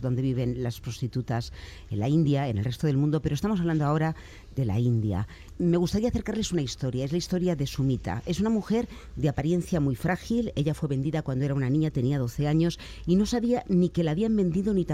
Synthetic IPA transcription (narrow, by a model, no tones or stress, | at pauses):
ðo̞nd̪e̞β̞iβ̞e̞nlaspɾo̞st̪it̪ut̪as | enlaind̪jae̞ne̞lre̞st̪o̞ð̞e̞lmũnd̪o̞peɾost̪amosaβland̪oao̞ɾa | ðe̞la̰ind̪ja̰ | me̞ɣ̞ust̪aɾiaθeɾkaɾle̞sunaist̪o̞ɾjaezlaist̪o̞ɾjaðe̞sumit̪a̰e̞s̬unamuxe̞ɾ | d̪eapaɾje̞nθjamujfɾʔaxile̞ʎafwe̞βe̞nd̪iðakwand̪o̞eɾaunanĩɲat̪e̞niaðo̞θe̞aɲo̞s | ino̞saβianike̞laːβiambẽ̞nd̪iðo̞nit̪a